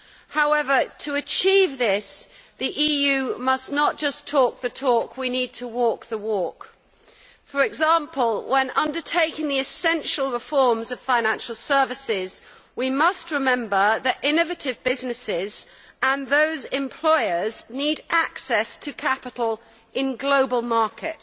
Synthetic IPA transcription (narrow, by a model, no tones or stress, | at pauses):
haʊɛvətʰəːt͡ʃʰiːvðɪsðiʔijʉmʌsnət̚d̥ʒ̥ʌstʰɔˑk̚ðɨtʰɔˑkʰwinid̚tʰəwɔˑk̚ðəwɔˑk | fə˞ɨɡzɑ̃ˑmpʰəlˠwʔə̃nʔʌ̃ndə˞tʰeɪkɪ̃ŋðiɨsɛ̃nʃəl̩ˠɹɪfɔɹmzʌv̥fãɪ̃ñæ̃nʃl̩ˠsɜ˞vɨsɪz̥ | wimʌst̚ɹɨmɛ̃mbə˞ðɨɾʔɪ̃nɨvɨɾɪvbɪznɨsɪz | ə̃nðoʊzɪ̃mpʰl̥ɔɪə˞zniɾʔaksɛstʰɨkʰapɨɾl̩ˠ | ʔɪ̃nɡloʊbəlˠmɑɹkʰɪ̰t̚